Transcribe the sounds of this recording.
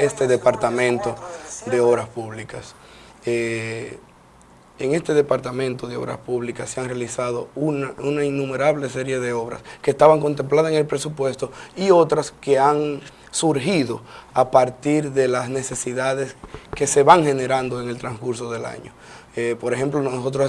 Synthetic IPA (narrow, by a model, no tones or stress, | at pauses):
est̪e̞ðepaɾt̪amẽ̞nt̪o̞d̪e̞o̞βɾaspuβlikas | e | eŋe̞st̪e̞ðe̞paɾt̪amẽ̞nt̪o̞ðeo̞̰βɾa̰spuβlikasːeaŋrealisaðo̞unaunainːũme̞ɾaβlese̞ɾje̞ðe̞o̞βɾa̰skeːst̪aβaŋko̞nt̪e̞mplaðaseŋe̞lpɾe̞supwe̞st̪o̞io̞t̪ɾaske̞aŋ | suɾɦiðo̞apaɾt̪iɾðe̞lasne̞se̞siðaðe̞ske̞se̞βaŋxe̞ne̞ɾand̪o̞e̞ŋe̞lt̪ɾaŋskuɾso̞ðe̞la̰ɲo̞̰ | epo̞ɾexe̞mplonoso̞t̪̬ɾo